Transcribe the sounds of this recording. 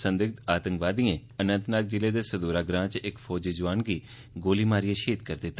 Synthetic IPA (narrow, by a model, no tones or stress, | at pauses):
sə̃nd̪ɪɡt̪aːt̪əŋkʋaːd̪ijẽːənə̃nt̪naːk̚d͡ʒɪleːd̪eːsəd̪uːɾaːɡɾãːt͡ʃɪkpʰoːd͡ʒiːd͡ʒʊʋaːnɡiː | ɡoːliːmaːɾɪjãːʃeːt̪kəɾd̪et̪ː